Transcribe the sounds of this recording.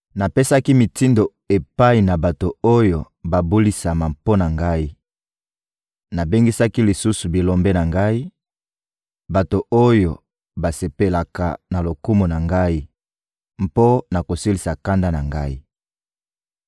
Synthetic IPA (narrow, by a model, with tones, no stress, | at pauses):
na˨pe˦sa˦ki˦mi˨ti˦ndo˨ | e˨pa˦i˨na˨ba˨to˨o˦jo˨ | ba˨bu˦li˦sa˨ma˨mpo˦na˨ŋɡa˦i˦ | na˨be˦ŋɡi˦sa˦ki˦li˨su˦su˨bi˨lo˨mbe˦na˨ŋɡa˦i˦ | ba˨to˨o˦jo˨ | ba˨se˨pe˨la˨ka˨na˨lo˨ku˦mu˨na˨ŋɡa˦i˦ | mpo˦na˨ko˨si˦li˨sa˨ka˦nda˦na˨ŋɡa˦i˦